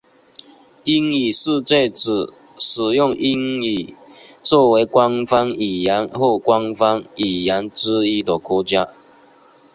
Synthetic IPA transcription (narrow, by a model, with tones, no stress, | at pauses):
i˥ŋi˨˩ʂ̩˥˧t͡ɕe˥˧t͡s̩˨˩ | ʂɻ̩˨˩jʊ˥˨ŋʔi˦˥ŋi˨˩t͡swɔ˥˩we˧˥ɪkwa˦ŋfɑ˦ŋi˨˩ja˨˧˦nxwɔ˥˩kwa˦ŋfɑ˦ŋi˨˩ja˧˥nʈ͡ʂɻ̩˥i˥d̪ə˨˩kwɔ˧˥t͡ɕja˦